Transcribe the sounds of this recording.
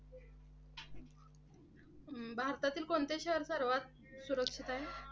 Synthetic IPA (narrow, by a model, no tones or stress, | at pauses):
bʱaɾt̪at̪iːlkoɳt̪eɕəɦəɾsəɾʋat̪̚ | suɾəkʂit̪aɦe